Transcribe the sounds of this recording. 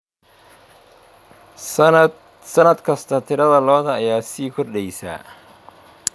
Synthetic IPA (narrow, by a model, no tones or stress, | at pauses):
sɐnɐd̪kʰɐst̪ʰɐt̪ʰɪɾɐðɐlɔːðɐːjaːsiːkʰɔrɖɛjsa̰ː